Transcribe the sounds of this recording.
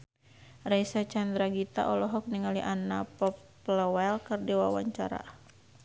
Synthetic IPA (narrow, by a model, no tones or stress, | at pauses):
rajsat͡ʃand̪ɾaɡit̪a̰ʔɔlɔɦɔk̚niŋaliʔanapɔpː | lɔwɛlkɨrdiwawa̰ɲt͡ʃaɾa̰